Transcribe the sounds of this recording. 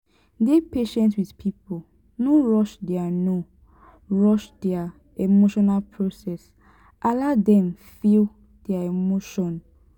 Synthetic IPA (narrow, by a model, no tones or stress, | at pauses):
depeʃɛ̃ntswidpʰipo | noɹɔʃdɛano | ɹɔʃdɛa | emoʃɔnalpʰɹosɛs | ʔaladɛ̃mfil | dɛaemoʃɔ̃n